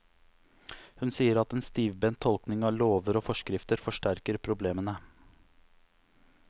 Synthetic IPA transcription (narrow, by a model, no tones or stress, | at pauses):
hʉnsiːəɾɑt̪ɛːnst̪iːʋbɛnt̪ʰɔlknɪŋɑːʋloːʋəɾoːfɔʂkɾɪft̪əɾfɔʂʈæɾkəɾpʰɾʊbleːmənə